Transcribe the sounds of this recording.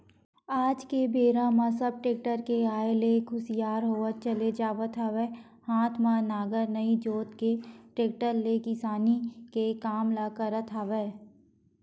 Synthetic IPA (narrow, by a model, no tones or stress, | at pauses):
aːd͡ʒkebeːɾãmãsɐb̚ʈeːk̚ʈəɾkeaːeleɡʰʊsijaːɾɦoːət̪̚t͡ʃɐled͡ʒaːʋət̪ʰaːʋː | hãːt̪ʰmãnaːɡəɾnɐid͡ʒoːt̪keʈeːk̚ʈəɾlekɪsaːnikekaːmlakəɾət̪ʰaːʋeː